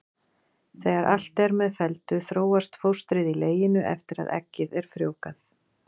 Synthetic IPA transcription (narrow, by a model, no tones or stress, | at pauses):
θɛːɣaɾʔal̥t̪ɛɾmɛðfɛlt̪ʏθɾoːwast̪fowst̪ɾɪðileːjɪnʏʔɛ̰ft̪ɪɾa̰ðɛ̰cːɪðɛɾ̥fɾjoːwkaθ